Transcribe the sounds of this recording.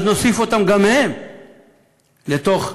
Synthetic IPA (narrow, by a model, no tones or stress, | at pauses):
zno̞sifo̞t̪amɡamhem | let̪o̞χ